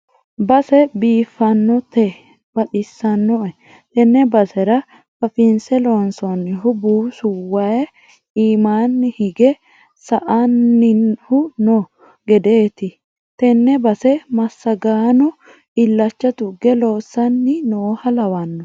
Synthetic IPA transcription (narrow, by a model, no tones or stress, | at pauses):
bɐsɛbiːfːɐnːɔt̪ɛ | bɐɗɪsːɐnːɔɛ | t̪ɛnːɛbɐsɛɾɐ | fɐfɪnsɛloːnsɔnːɪɦʊbuːsʊwɐj | iːmaːnːɪhɪɡɛ | sɐʔɐnːɪhʊnɔ | ɡɛd̪eːt̪ɪ | t̪ɛnːɛbɐsɛmɐsːɐɡaːnɔ | ɪlːɐt͡ʃːɐt̪ʊɡɛloːsːɐnːɪnoːhɐlɐwɐnːɔ